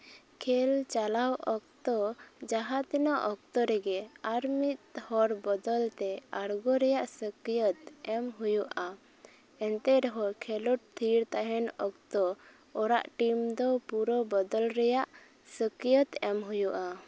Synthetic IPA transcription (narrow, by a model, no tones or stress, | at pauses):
kʰɛlt͡ʃalawɔk̚t̪ɔd͡ʒaɦat̪ɛnaʔɔk̚t̪ɔɾɛɡɛaɾmit̪̚hɔɾbɔd̪ɔlt̪ɛaɾɡɔɾɛjaʔsəkijət̪ɛmɦujuʔa | ɛnt̪ɛɾɦɔkʰɛlɔʈ̚t̪ʰiɾt̪aɦɛnɔkt̪ɔ | ɔɾa̰ʔʈimd̪ɔpuɾɔbɔd̪ɔlɾɛjaʔ | səkijət̪ɛmɦujuʔa